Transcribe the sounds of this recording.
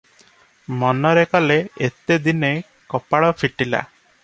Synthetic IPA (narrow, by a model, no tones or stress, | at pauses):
mɔnɔɾekɔleet̪ed̪ine | kɔpaɽɔpʰiʈila̰